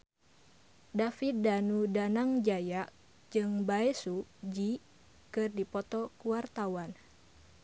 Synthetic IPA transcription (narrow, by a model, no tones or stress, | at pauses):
dafit̪̚danudanaŋd͡ʒajaʔ | d͡ʒɨŋbaɛsud͡ʒi | kɨrdipɔt̪ɔkuwart̪awan